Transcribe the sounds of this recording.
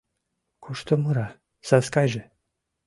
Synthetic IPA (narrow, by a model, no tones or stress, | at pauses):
kʰuʃt̪omuɾa | saskajʒe